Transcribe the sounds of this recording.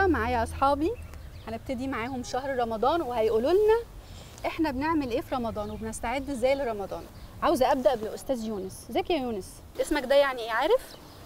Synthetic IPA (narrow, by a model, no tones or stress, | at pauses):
maʕaːjæʔɑsˤħɑːbihæneb̚t̪ed̪imaʕaːhomʃæhɾɾˤɑmɑd̪ˤɑːnwehæjʔuːlolnæ | ʔeħnæbeneʕmelʔeːfiɾˤɑmɑd̪ˤɑːnwebenest̪aʕed̪ːezːæːjleɾˤɑmɑd̪ˤɑːnʕawzæʔæb̚d̪æʔbelʔost̪æːzjuːneszæːkjæjuːnes | ʔesmækd̪æjaʕniʔʕaːɾef